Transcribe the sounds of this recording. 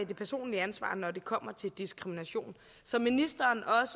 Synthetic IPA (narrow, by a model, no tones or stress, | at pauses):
d̥e̝pʰæɐso̝̰ːnliænsʋɑ̰̈ːnɒde̝kʰɒ̽m̰ɐt͡sʰe̝ld̥isɡ̥ʁiminæɕo̝̰ːn | sɒ̽minisd̥ɐːnɒ̽s